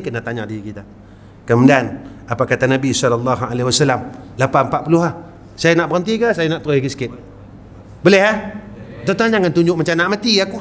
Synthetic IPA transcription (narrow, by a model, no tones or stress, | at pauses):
kənaht̪aɲadiikit̪a | kəmudianapakat̪anabisɔlalːɑɦa̰lehwasalamlapampaʔ̚pulʊɦah | sajanaʔbəɾənt̪ikasajanaʔt̪ɾoikəsə̥kɪp̚ | bolɛɦat̪ot̪aand͡ʒaŋant̪uɲd͡ʒʊʔmat͡ʃamnaʔmat̪iaku